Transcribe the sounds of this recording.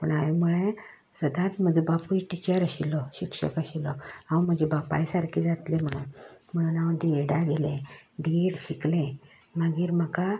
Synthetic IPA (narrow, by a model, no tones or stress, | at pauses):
pə̰ɳaʋemuɭẽ | səd̪ãt͡sməd͡zəbapuiʈit͡ɕəɾəɕilɔɕikʂə̰kəɕilɔhãwm̤əd͡ʑebapa̰jsaɾkʰid͡zat̪lem̤əɽ̃unm̤əɽ̃uːnaʋɖ̪ieɽaɡelẽɖiɽɕiklẽ | məɡiːɾm̤əka